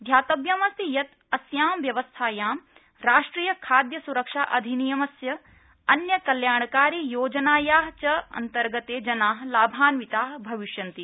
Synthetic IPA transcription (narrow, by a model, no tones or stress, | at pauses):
d̪ʱjaːt̪ɐbjamɐst̪ijɐt̪ | ɐsjaːmʋjɐʋɐst̪ʰaːjaːm | ɾaːʂʈɾiːjɐkʰaːd̪jɐsuɾɐkʂaːʔɐd̪ʱinijɐmɐsjɐ | ɐnjɐkɐljaːɳɐkaːɾiːjoːd͡ʒɐnaːjaːɦt͡ʃɐɐ̰nt̪ɐɾɡɐt̪eːd͡ʒɐnaːɦlaːbʱaːnʋit̪aːɦbʱɐʋiʃjɐnt̪i